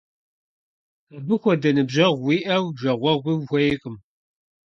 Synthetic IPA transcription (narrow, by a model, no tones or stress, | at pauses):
tɐbɨxʷɔdɐnɨbʑɐʁʷwiːʔɐwʒɐʁʷɔʁʷiwxʷɔjɪkʼɨm